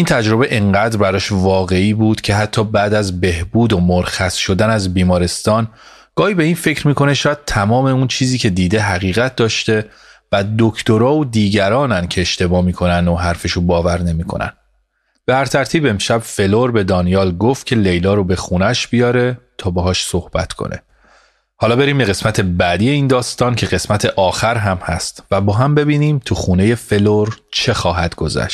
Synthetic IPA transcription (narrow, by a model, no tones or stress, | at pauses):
int̪ʰæd͡ʒɾo̞be̞ʔeŋɢæːd̪ɾbæɾɒːʃvɒːɣe̞iːbuːd̪̥cʰe̞ɦæt̪ʰːɒːbæːd̪æzbe̞hbuːd̪omoɾxæsʃo̞d̪ænæzbiːmɒːɾe̞st̪ɒːn | ɡ̥ɒːhiːbe̞iːnfe̞cɾmiːkʰo̞neʃɒːjæd̪̚t̪ʰæmɒːmeunt͡ʃʰiːziːcʰe̞d̪iːd̪e̞ɦæɣiːɣæt̪̚d̪ɒːʃt̪e̞ | væd̪ocʰt̪oɾɒːod̪iːɟæɾɒːnæncʰe̞eʃt̪e̞bɒːmiːkʰo̞nænd̪oɦæɾfe̞ʃubɒːvæɾne̞miːkʰo̞̰næ̰n | b̥ehæɾt̪ʰæɾt̪ʰiːbe̞mʃæb̥fe̞loɾbe̞d̪ɒːnijɒːlɡoft̪̚cʰe̞le̞jlɒːɾobe̞xunæʃb̥ijɒːɾe̞t̪ʰɒːbeɦɒːʃso̞hb̥æ̰t̪kʰo̰nʔḛ | hɒːlɒːbe̞ɾiːmbe̞ɣe̞smæt̪ʰe̞bæd̪ije̞iːnd̪ɒːst̪ɒːncʰe̞ɣe̞smæt̪ʰe̞ʔɒːxæɾɦæmhæ̰st̪væbɒːɦæmbe̞biːniːmt̪ʰuxuːne̞je̞fe̞loɾt͡ʃʰe̞xɒːɦæd̪̥ɡo̞zæ̰ʃt̪